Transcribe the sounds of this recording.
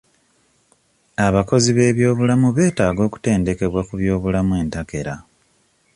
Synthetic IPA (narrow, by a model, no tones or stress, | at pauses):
aβako̞ziβe̞ːβjo̞ːβulamuβe̞ːtaːɡo̞ːku̥te̞ːnde̞ke̞βwakuβjo̞ːβulamue̞ːntake̞ɾa̰